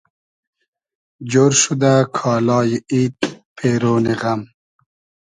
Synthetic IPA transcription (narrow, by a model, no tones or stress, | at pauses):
d͡ʑoːɾʃud̪akʰɑːlɑːjiiːt̪̚pʰeːɾoːniɣam